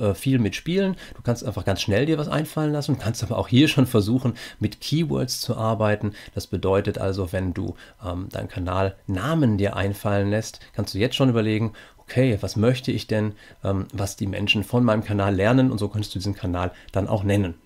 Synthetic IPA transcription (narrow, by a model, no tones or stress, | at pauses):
ʔɛːfiːlmɪtʃpiːlənd̥uːkʰanstʔaɪnfaχɡ̥ansʃnɛldiːɐvasʔa̰ɪnfalənlasn̩duːkʰanstʔaːbɐʔa̰ʊxhiːɐʃoːnfɛɐzuːxn̩mɪtkʰiːwœ̰ɐtst͡suʔaɐbaɪtn̩d̥asb̥ədɔʏtətʔa̰lzovɛndṵːʔɛːmd̥aɪnkʰanaːlnaːməndiːɐʔa̰ɪnfalənlɛstkʰanstd̥uːjɛt͡stʃoːnʔyːbɐleːɡŋ̩ʔokʰeːvasmœçtəɪçd̥ɛn | ʔɛːmvasd̥iːmɛ̰nʃn̩fɔnmaɪnəmkʰanaːlːɛɐnənʊ̰ntz̥oːkʰœntəstd̥uːdiːzn̩kʰanaːld̥anʔa̰ʊxnɛnən